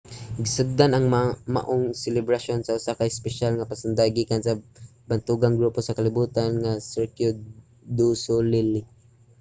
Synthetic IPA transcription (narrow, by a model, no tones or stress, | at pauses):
ɡɪsʊɡ̚d̪anaŋma̰ʔoŋsɛlɪbɾaʃonsaʊsakaɪspɛʃalŋapasʊnd̪aɡiːkansabant̪uɡaŋɡɾuposakalɪbuːt̪anŋasɛɹkjʊ | d̪usolilɪ